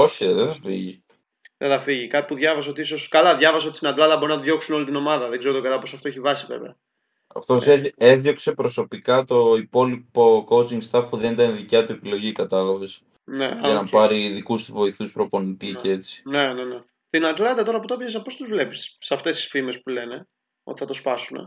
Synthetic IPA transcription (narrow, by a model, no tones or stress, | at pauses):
o̞çeðeθɐfḭʝi | ðeθɐfiʝikɐt̪i̥puðʝɐvɐseot̪iiso̞skɐlɐðʝɐvɐseot̪ist̪inɐd̪lɐd̪ɐbo̞ɾunɐðʝo̞ksuno̞lit̪ino̞mɐðɐðeɡzeɾot̪oɡɐlɐpo̞sɐft̪oeçivɐsivḛvḛɐ | ɐ̰ft̪oseeðʝo̞kse̞pɾo̞so̞pikɐt̪o̞ipo̞lipoko̞ut͡siŋɡst̪ɐfpuðe̞nit̪ɐnðicɐt̪ue̞pilo̞ʝikɐt̪ɐlɐves | nḛʝɐnɐpɐɾiːðikust̪uvo̞iθuspɾo̞po̞nit̪icee̞t͡sii̥ne̞nene | st̪inɐd̪lɐd̪ɐt̪o̞ɾɐp̬ot̪opçɐs̬ɐpo̞st̪uzvle̞pi̥ssɐft̪e̞st̪i̥sfime̞spule̞ne̞ | o̰t̪i̥θɐt̪o̞spɐsunḛ